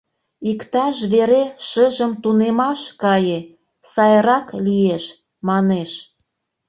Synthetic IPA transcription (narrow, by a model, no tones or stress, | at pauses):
ikt̪ɑʃβeɾeʃəʒəmt̪unemɑʃkɑje | sɑjəɾɑklijeʃ | mɑneʃ